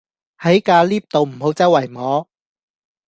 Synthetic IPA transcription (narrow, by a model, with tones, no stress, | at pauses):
hɐ˨˥jkaː˧liː˥p̚t̪o˨wm̩˨˩ɦo˨˥wt͡sɐ˥wɐ˨˩jmɔː˨˥